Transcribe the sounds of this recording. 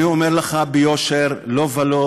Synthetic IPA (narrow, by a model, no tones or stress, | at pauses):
iomeʁleχabejoʃeʁlovalo